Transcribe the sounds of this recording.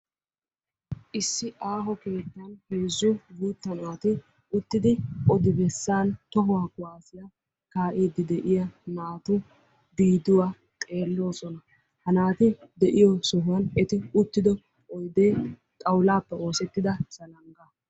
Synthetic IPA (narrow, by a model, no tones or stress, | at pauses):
ʔɪsːɪʔaːɦɔke̞ːt̪ːɐnheːzːʊbuːt̪ːɐnʊwat̪ɪ | ʊt̪ːɪd̪ɪɔd̪ɪbɛsːaːnt̪ɔɦʊwaːkʼʊwaːsɪjɐ | kaːʔiːd̪ːɪd̪ɛʔɪjɐnaːt̪ʊ | d̪iːd̪ʊwaː | t̪ʼe̞ːlːo̞ːsɔnɐ | hɐnaːt̪ɪd̪ɛʔɪjɔsɔɦʊwɐnɛt̪ɪʊt̪ːɪd̪ɔ | ɔjd̪eː | t̪ʼɐwlaːpːɛo̞ːsɛt̪ːɪd̪ɐsɐlɐŋɡɐ